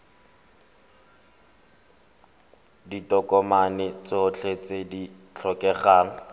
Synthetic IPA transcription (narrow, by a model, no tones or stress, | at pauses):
ditɔkɔmanɪt͡sɔʊt͡ɬʰet͡sedi | t͡ɬʰɔkʼɛχaːŋ̩